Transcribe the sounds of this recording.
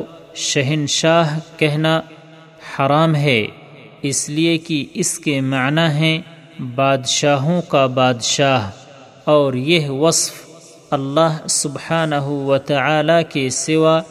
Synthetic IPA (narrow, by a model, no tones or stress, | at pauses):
ʃɐɦɪnʃaːɦkɛɦna | ħɐɾaːmɦɛː | ɪsliekiɪskemaʕnaɦɛ̃ | baːd̪ʃaːɦõkabaːd̪ʃaːɦ | ɔːɾjeɦwɐsf | ɐlːaːɦsʊbħaːnɐɦuwɐt̪ɐʕaːlakesɪwa